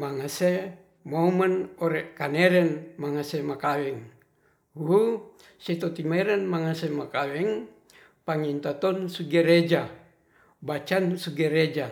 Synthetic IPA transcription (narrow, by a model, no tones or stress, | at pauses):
maŋase | momanoɾekaneɾɛnmaŋasemakawɛŋ | uɦu | set̪ot̪imeɾɛnmaŋasemakawɛŋ | paŋint̪at̪ɔnsuɡeɾed͡ʒa | bat͡ʃansuɡeɾed͡ʒa